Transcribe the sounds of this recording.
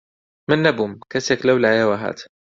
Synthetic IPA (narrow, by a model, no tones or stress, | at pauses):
manːabʊmkasaklawlʕajawaɦa̰ːt̪